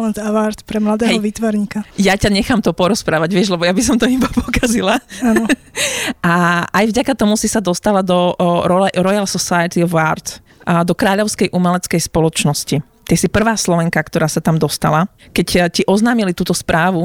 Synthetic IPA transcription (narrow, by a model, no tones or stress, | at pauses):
lɛnt̪aʋaɾt̪pɾɛmlad̪ɛːɦɛjɔʋiːt̪ʋaɾɲikajacaɲɛxaːmt̪ɔpɔɾɔspɾaːʋaɟʋɪɛʒlɛbɔjabis̬ɔmt̪ɔibapɔkazilaaːnɔ | ʔaajvɟakat̪ɔmusisad̪ɔst̪alad̪ɔɾɔlɛɾɔjalsɔsajɛt̪iɔvaɾt̪ | d̪ɔkɾaːʎɔʊskɛjʔumɛlɛt͡skɛjspɔlɔt͡ʃnɔsci | t̪ɛsipr̩ʋaːslɔʋɛŋkakt̪ɔɾaːsat̪amd̪ɔst̪ala | kɛcciʔɔznaːmilit̪uːt̪ɔspɾaːʋu